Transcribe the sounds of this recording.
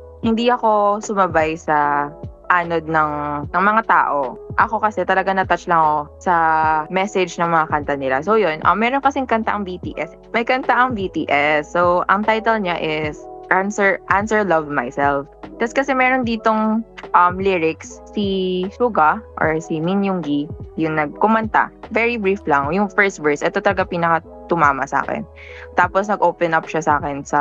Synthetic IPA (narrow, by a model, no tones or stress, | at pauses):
hɪnd̪iʔɐko̞sʊmɐbajsɐʔaːnod̪̚nɐŋnɐŋmɐŋat̪a̰ːʔo̞ʔɐko̞kɐsɛt̪ɐlɐɡaŋnɐt̪ɐt͡ʃlɐŋosɐmɛsɛd͡ʒnɐŋmɐŋakɐnt̪ɐnɪla̰sowjonʔɐ̰mːɛːɾonkɐsɪŋkɐnt̪aʔɐŋviːt̪ḭːʔɛs | mɐjkɐnt̪aʔɐŋvit̪iːʔɛsːowʔɐŋt̪ajt̪ɛlɲaʔɪsʔansɛɹʔansɛɹlɐvmajsɛlft̪ɐskɐsɛmɛːɾond̪iːt̪oŋʔɐmliɹɪksːiʃuːɡɐʔɔ̰ɹsiminjʊŋɡijʊŋnɐɡ̚kʊmɐnt̪a̰vɛɹibɹiflɐŋjʊŋfɛɹst̪̚vɛɹsʔɛt̪ot̪ɐlɐɡapiːnɐkɐ | t̪ʊmaːmɐsa̰ːkɛ̰n | t̪aːposnɐɡʔoːpɛnʔap̚ʃasɐaːkɛnsɐ